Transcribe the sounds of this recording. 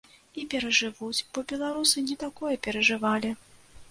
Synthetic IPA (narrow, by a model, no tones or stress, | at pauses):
ipʲɛɾɐʐɨvut͡sʲb̥ɔbʲɛlˠaɾusɨnʲɛt̪akɔjɛpʲɛɾɐʐɨvalʲi